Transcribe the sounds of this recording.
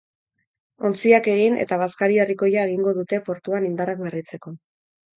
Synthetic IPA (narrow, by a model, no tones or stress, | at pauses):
o̞nt͡siake̞ɣ̞ine̞̰t̪aβ̞askaɾieriko̞jae̞ɣ̞iŋɡo̞ðut̪e̞po̞ɾt̪uanind̪arakβerit͡se̞ko̞